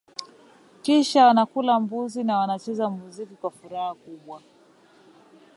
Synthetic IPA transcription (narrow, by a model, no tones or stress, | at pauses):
kiʃawanakulambuzinawanat͡ʃɛzamuzikikwafuɾahakuɓwa